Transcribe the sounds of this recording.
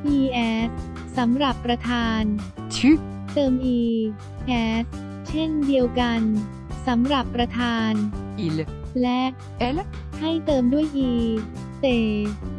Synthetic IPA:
ʔiː˧ʔɛː˦˥s̚ | sa˩˦mɾa˨˩pːɾa˧t̪ʰaː˧n | t͡ɕʰi˦˥ | t̪ɤː˧mʔiː˧ | kʰɛː˦˥t̚ | t͡ɕʰe˥˩ndi˧əwka˧n | sa˩˦mɾa˨˩pːɾa˧t̪ʰaː˧nʔi˧llɛ˦˥ʔ | ʔɛ˦l | ha˥˩jt̪ɤː˧mdu˥˩əjʔiː˧ | t̪eː˧˩

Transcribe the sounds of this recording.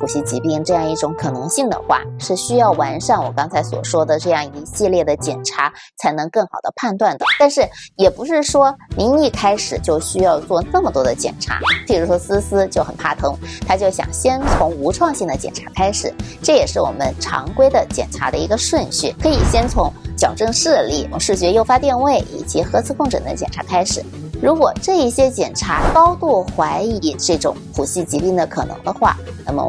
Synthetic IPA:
u˨˩ɕi˧˥t͡ɕi˧˥pi˥˧ŋʈ͡ʂɤ˥˧jɑ˥˧ŋi˥˩ʈ͡ʂʊ˧˥ŋkʰɤ˨˩nɤ˧˥ŋɕi˥˩ŋd̪ə̰˩xwa̰˥˧˩ʂɻ̩˥˩ɕy˥jɑ˥˩ʊwa˧˥nʂa˥˩nwɔ˨˩kɑ˥ŋt͡sʰa˧˥ɪswɔ̰˨˩ʂwɔ˥d̪ə˨ʈ͡ʂɤ˥˧jɑ˥˩ŋi˧˥ɕi˥˧ljɛ˥˩d̪ə˩t͡ɕjɛ˨˩nʈ͡ʂʰa˧˥ | t͡sʰa˧˥ɪnɤ˧˥ŋkɤ˥˩ŋxɑ˨˩ʊd̪ə˦pʰa˥˧nt̪wa˥˩nd̪ə˩t̪a˥˧nʂɻ̩˥˩jɛ˨˩pu˧˥ʂɻ̩˥˩ʂwɔ˥ni˧˥ŋi˥˩kʰa˥ɪʂɻ̩˨˩t͡ɕjo˥˩ʊɕy˥jɑ˥˧ʊt͡swɔ˥˧nə˥˩mə˩t̪wɔ˥d̪ə˧˨t͡ɕjɛ̰˨˩nʈ͡ʂʰa̰˧˥t͡ɕi˥˩ɻu˥ʂwɔ˥sɹ̩˥sɹ̩˥t͡ɕjo˥˩ʊxə˨˩npʰa̰˥˩t̪ʰɤ˧˥ŋt̪ʰa˥t͡ɕjo˥˩ʊɕjɑ̰˨˩ŋɕjɛ˥nt͡sʰʊ˧˥ŋu˧˥ʈ͡ʂʰwɑ˥˧ŋɕi˥˩ŋd̪ə˩t͡ɕjɛ̰˨˩nʈ͡ʂʰḁ˧˥kʰa˥ɪʂɻ̩˨˩ʈ͡ʂɤ˥˩jɛ˨˩ʂɻ̩˥˩wɔ̰˨˩mə˦nʈ͡ʂʰɑ̰˧˥ŋkwe˥ɪd̪ə˨t͡ɕjɛ̰˨˩nʈ͡ʂʰa˧˥d̪ə˧i˧˥ɡə˧ʂwə˥˧nɕy˥˩kʰɤ˧˥i˨˩ɕjɛ˥nt͡sʰʊ˧˥ŋt͡ɕjɑ˨˩ʊʈ͡ʂɤ˥˧ŋʂɻ̩˥˧li˥˩ʂɻ̩˥˩t͡ɕɥɛ˧˥jo˥ʊfa˥t̪jɛ˥˧nwe˥˩ɪʔḭ˨˩t͡ɕi˧˥xɤ˧˥t͡sʰɹ̩˥˧kʊ˥˧ŋʈ͡ʂʰə̰˨˩nd̪ə̰˦t͡ɕjɛ̰˨˩nʈ͡ʂʰa̰˧˥kʰa˥ɪʂɻ̩˨˩ | ɻu˧˥kwɔ˨˩ʈ͡ʂɤ˥˧i˥˩ɕjɛ˥t͡ɕjɛ̰˨˩nʈ͡ʂʰa˧˥kɑ˥ʊt̪u˥˩xwa˧˥ɪi˧˥ʈ͡ʂɤ˥˩ʈ͡ʂʊ̰˨˧˥ŋpʰu˨˩ɕi˥˩t͡ɕi˧˥pi˥˩ŋd̪ə˩kʰɤ˨˩nɤ̰˧˥ŋd̪ə˧xwa̰˥˩na˥˩mə̰˩

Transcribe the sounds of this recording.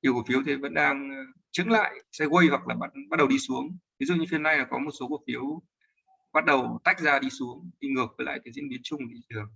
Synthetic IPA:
i˧˩əwku˧˩əfi˨˦əwt̪ʰi˨˩və̰˧˥nɗaː˧ŋ | t͡ɕɨ̰˧˥ŋla̰ː˧˨jsa˧jɣə˧jhwa˨˩k̚laː˨˩ɓa˦˥t̚ɓa˦˥t̚ɗə˨˩wɗi˧su˨˦əŋvi˨˦zṵ˧˨ɲɨ˧fi˧ənːa˧jnaː˨˩kɔ˨˦mo˨˩t̚so˨˦ku˧˩əfi˨˦əw | ɓa˦˥t̚ɗə˨˩wt̪a˦˥jk̟̚zaː˧ɗi˧su˨˦əŋɗi˧ŋɨ˨˩ək̚vəː˨˦la̰ː˧˨jk̪aː˨˦zḭ˧˥ənɓi˨˦ənt͡ɕʊ˧ŋ͡mɗi˨˦ɨ˨˩ə˩

